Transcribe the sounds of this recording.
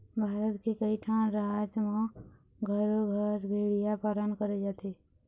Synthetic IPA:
bʱaːɾət̪kekəit̪ʰaːnɾad͡ʒmã | ɡʱəɾoɡʱəɾɡʱeɽijapaːlənkəɾed͡ʒaːt̪e

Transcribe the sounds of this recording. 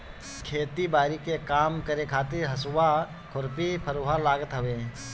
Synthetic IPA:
kʰeːt̪ibaːɾikekaːmkəɾekʰaːt̪ɪɾɦɐswa | kʰʊɾpipʰəɾoːɦalaːɡət̪ɦəʋeː

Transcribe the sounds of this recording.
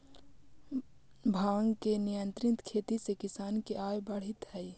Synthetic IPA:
bʱaːŋɡkenɪjənt̪ɾɪt̪kʰeːt̪isekɪsaːnkeʔaːjbəɽ̤ɪt̪ɦɛi

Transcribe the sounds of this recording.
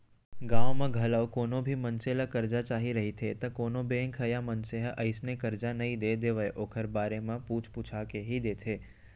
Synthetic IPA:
ɡãːʋ̃mãɡʱɐləʋkoːnõbʱimɐnselakɐɾd͡ʒat͡ʃaːɦiɾɐɦit̪ʰet̪ɐkoːnõbeːŋkʰəjamɐnseɦʔɐɪsnekɐɾd͡ʒanɐɦĩd̪eːd̪eːʋəeʔoːkʰəɾbaːɾemãpuːt͡ʃʰput͡ʃʰakeɦid̪eːt̪ʰeː

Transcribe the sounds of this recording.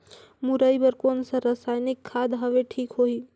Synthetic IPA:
muɾaibəɾkoːnsaɾəsaːjnɪkʰːaːd̪ɦəʋeʈʰiːkɦoːiː

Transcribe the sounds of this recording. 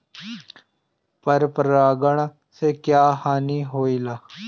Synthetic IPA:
pəɾpəɾaːɡəɳ | sekjaːhaːniːɦoːiːlaː

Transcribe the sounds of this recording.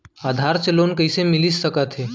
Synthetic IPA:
ad̪ʱaɾt͡selonkəisemilisːəkat̪ʰe

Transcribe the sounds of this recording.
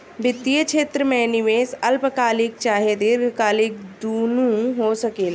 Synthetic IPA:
bɪt̪ːijət͡ʃʰeːt̪ɾəmẽːnɪʋeːsəlpəkaːlɪk̚t͡ʃaːɦeːd̪iɾɡkaːlɪkd̪uːnũːɦoːsəkeːla

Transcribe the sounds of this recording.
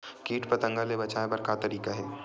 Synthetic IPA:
kiːʈpɐt̪ə̃ŋɡalebɐt͡ʃaːebɐɾkat̪ɐɾiːkaɦɛː

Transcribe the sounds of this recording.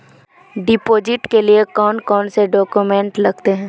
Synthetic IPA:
ɖɪpoːd͡ʒɪʈkeliekɔːnkɔːnseɖɔːkjumɛ̃ɳʈlɐɡt̪eɦɛ̃ː

